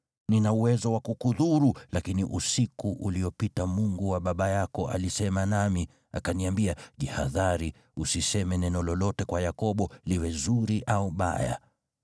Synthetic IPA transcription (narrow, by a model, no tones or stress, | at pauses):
ninauwɛzɔwakukuðuɾulakiniʔusikuʔuliɔpitamuŋɡuwaɓaɓajakɔa̰lisɛmanami | a̰kaniambiaʄihaðaɾi | usisɛmɛnɛnɔlɔlɔtɛkwajakɔɓɔliwɛzuɾiʔauɓa̰ja̰